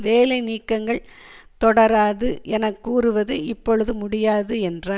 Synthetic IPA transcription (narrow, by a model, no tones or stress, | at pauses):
ʋeːlɐɪniːkːɐŋɡɐɭt̪ɔɽɐɾaːðɯʔɛnɐkːuːrɯʋɐðɯɪpːɔɻɯðɯmʊɽɪjaːðɯɛndraː